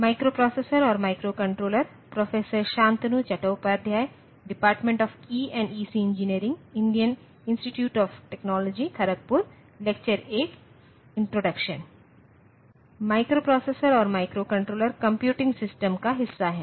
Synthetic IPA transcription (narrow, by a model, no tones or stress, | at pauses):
maːɪkɾopɾɔːseːsəɾɔːɾmaːɪkɾoːkɐ̃ɳʈɾoːləɾ | pɾɔːfeːsəɾʃãːnt̪nut͡ʃɐʈəːpɐɾd̪ʱjaːj | ɖɪpaːɾʈmẽɳʈɔːfkiːɛ̃ːɳɖiːsiɪ̃nd͡ʒɪniəɾɪ̃ŋɡɪ̃ɳɖijən | ɪ̃nsʈiʈjuːʈɔːfʈeːknɔːlɔːd͡ʒikʰɐɾək̚pʊɾ | lek̚t͡ʃəɾeːk | ɪ̃ɳʈɾoːɖɐkʃən | maːɪkɾoːpɾɔːseːsəɾɔːɾmaːɪkɾoːkɐ̃ɳʈɾoːləɾkɐ̃mpjuːʈɪ̃ŋɡsɪsʈəmkaɦɪsːaɦɛː